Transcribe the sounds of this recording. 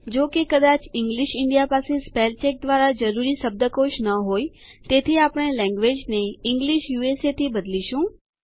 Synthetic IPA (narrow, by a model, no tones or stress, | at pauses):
d͡ʒokekəd̪at͡ʃɪ̃ŋɡliʃɪɳɖijapasespelt͡ʃek̚d̪ʋaɾad͡ʒəɾuɾiʃəb̚d̪əkoʃnəɦoj | t̪et̪ʰiapɽ̃elɛ̃ŋɡʋed͡ʒneɪŋɡliʃjueset̪ʰibəd̪liʃũ